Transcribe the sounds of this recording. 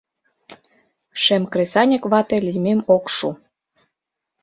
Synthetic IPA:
ʃemkɾesɑnʲɤ̆kβɑt̪ĕlʲimemokʃu

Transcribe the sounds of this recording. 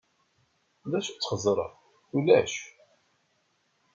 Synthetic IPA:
ðæʃu̥t͡sːχəzˤɾˤə̰ | ulæʃ

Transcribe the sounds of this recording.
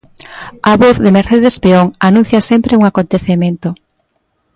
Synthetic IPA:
aβoθðemeɾθeðespeoŋanũn̟θjɐsempɾeuŋakont̪eθemẽnt̪o

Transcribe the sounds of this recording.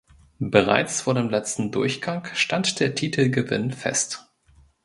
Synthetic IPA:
bəʁ̞a̰ɪt͡sfoːɐdeːmlɛt͡stn̩dʊɐçɡ̥aŋʃtantd̥eːɐtʰiːtʰl̩ɡəvɪ̰nfɛ̰st

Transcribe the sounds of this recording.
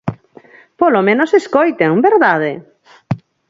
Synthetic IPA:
polomẽnoseskojt̪eŋbeɾðaðɪ

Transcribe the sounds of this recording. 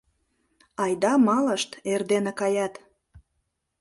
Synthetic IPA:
ɑjd̪ɑmɑləʃt̪erd̪enĕkɑjɑt̪

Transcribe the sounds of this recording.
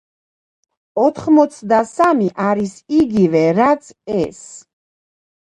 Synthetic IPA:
ɔt̪ʰχmɔt̪sʰd̪asamiʔaɾisiɡivɛɾat̪sʰɛs

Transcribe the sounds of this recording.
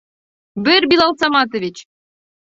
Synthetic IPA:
bɘrbilˠɑlˠsɑmɑt̪ovʲit͡ɕ

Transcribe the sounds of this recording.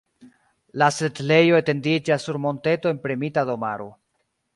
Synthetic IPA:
lasetle̞joete̞ndid͡ʒasːuɾmo̞nte̞to̞e̞npɾemitado̞ma̰ɾo̰

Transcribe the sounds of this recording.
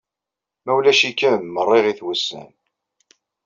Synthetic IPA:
mæwlæʃikːəmːərˤːeʁiθwəsːə̰n

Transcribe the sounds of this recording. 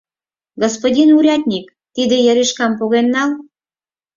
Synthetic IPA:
ɡospodʲinuɾʲɑt̪ʲnʲik | t̪id̪ejəɾiʃkɑmpoɣenːɑl

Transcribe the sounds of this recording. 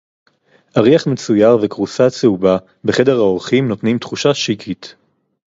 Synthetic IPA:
ʔaʁiaχme̞t͡sujaʁvekʁusat͡seuba | be̞χe̞de̞ʁhaoʁχimno̞tnimtχuʃaʃikʰit

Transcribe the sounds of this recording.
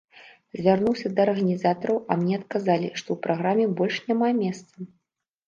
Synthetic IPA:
zʲvʲarnuwsʲɐd̪ɐːrɣɐnʲizat̪ɐɾɐwɐmnʲɛɐt̪̚kazalʲiʂt̪ɔwpɾʔaɣɾamʲːɛbɔlʲʂnʲamamʲɛst̪sɐ

